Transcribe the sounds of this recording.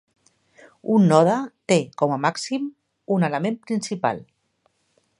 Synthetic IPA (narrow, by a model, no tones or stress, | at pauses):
unːɔðət̪ekɔmamaksim | unələmempɾinsipa̰lˠ